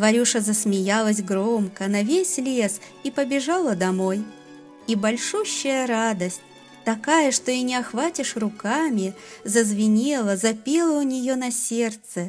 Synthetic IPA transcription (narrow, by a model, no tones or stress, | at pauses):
vɐɾʲuʂəzəsmʲɪjalˠəsʲɡɾo̞mkənɐvʲesʲlʲes | ipəbʲɪʐalˠəd̪ɐmo̞j | ibɐlʲʂuɕːɪjəɾad̪əsʲt̚ʲ | t̪ɐkajəʂt̪o̞inʲɪɐxvatʲɪʂrʊkamʲɪ | zəzvʲɪnʲelˠəzɐpʲelˠəʊnʲɪjo̞nɐsʲe̞rt̪sɨ